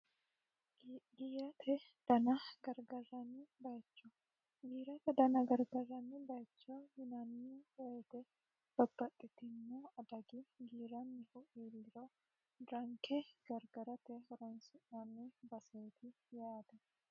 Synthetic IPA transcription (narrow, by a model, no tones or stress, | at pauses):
ɡijɐt̪ʰɛ | d̪̥ɐnɐɡɐɾɡɐrːɐnɪbɐjt͡ʃːɔ | ɡiːɾɐt̪ɛd̪ɐnɐɡɐɾɡɐɾːɐnɪbɐjt͡ʃːɔjɪnɐnːiwɔjɛt̪ɛ | t̪ɔbːɐt̪ʼːɪt̪ɪnːuɐd̪ɐɡɪɡiːɾɐnːɪhʊʔiːlːɪɾɔ | d̪ɾɐŋkɛɡ̥ɐɾɡɐɾɐt̪ɛhɔɾɔnsʊnːɐmɛbɐsɐjt̪ɪ | jaːd̪ɛ